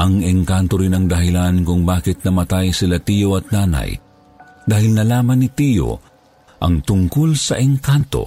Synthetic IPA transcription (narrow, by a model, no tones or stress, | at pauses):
ʔɐŋɛŋkant̪oɾɪnɐŋd̪ɐɦɪlankʊŋbaːkɪt̪̚nɐmɐt̪ajsɪlat̪ijoɐt̪̚naːna̰j | d̪aːhɪlnɐlaːmɐnːɪt̪iːjo̰ | ʔɐŋt̪ʊŋkolsɐʔɛŋkant̪o̰